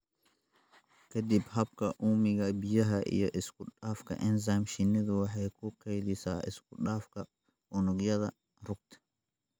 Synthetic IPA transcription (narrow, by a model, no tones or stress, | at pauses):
kʰɐd̪ɪbhɐbkʰɐʔuːmɪɣɐbɪjɐɦɐʔḭjɔʔɪskʊɗaːfkʰɐ̰ʔɛnzaːmʃɪnːɪðʊwɑħɑjkʰʊqɛjd̪ɪsaːɪ̰skʰʊɗaːfkʰɐ | ɔnɔɡjɐðɐ | rʊɡ̚t̪ʰɛ̥